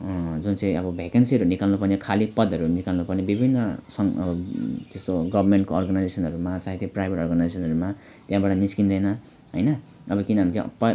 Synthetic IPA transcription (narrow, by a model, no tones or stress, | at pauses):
d͡zunt͡sʌ̃ĩʌbʌbʱakansiʌɾunikallopʌnikʰalipʌd̪ʱʌɾunikalopʌnibibʱinːʌsʌŋʌʌt̪est̪oɡʌbʱʌrmeɳʈkoːrɡanajd͡zesʌnɦʌɾumat͡saĩt̪ĩprajbʱeʈʌ̰ɔrɡanajd͡zesʌnɦʌɾuma | t̪jãbaʈʌniskind̪ʌjnʌ | ɦʌjnʌ | ʌbʌkinɦamit̪j̰p